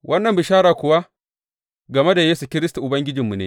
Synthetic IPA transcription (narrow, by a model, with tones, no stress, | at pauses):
wʔɐ˦nːɐ˨mbɪ˨ʃaː˦ɾaː˨kʷʊ˨wa˦ | ɡɐ˨me˦da˨jeː˦su˨kʲɪ˦ɾɪ˦stu˨ʔʊ˨bɐ˦ŋɡʲɪ˦d͡ʒɪ˨mːu˨nḛ˦